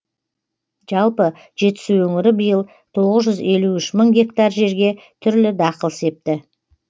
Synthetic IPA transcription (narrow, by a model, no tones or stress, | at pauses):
ʒ̥ɑlˠpə | ʒ̥e̞t̪ɪ̥suwɵŋɪɾɪbəjəlˠ | t̪ʰo̞ʁəzʒʏze̞luʏʃməŋɡʲe̞kt̪ɑrʒe̞ɾɡʲe̞ | t̪ʰʏɾlɪd̪ɑqəlˠse̞p̚t̪ɪ